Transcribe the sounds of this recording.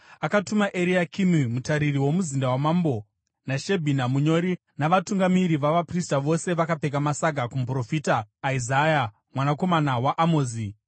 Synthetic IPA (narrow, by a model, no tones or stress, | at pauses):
akatumaʔeɾiakʰimimutaɾiriwo̞muzindawamambo̞ | naʃebʱinamuɲo̞ɾi | naʋatuŋɡamiɾiʋaʋapristaʋo̞se̞ʋakape̞k̬amasaɡʱakump̬ro̞fitaːizaja | mwanako̞manawaʔamoːzi